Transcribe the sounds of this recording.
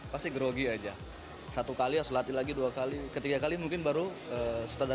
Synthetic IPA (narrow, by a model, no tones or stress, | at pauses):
past̪iɡəɾoɡiad͡ʒa | sat̪ukaliasolat̪ilaɡiduakalikət̪iɡakalimuŋkɪnbaɾuəsut̪ada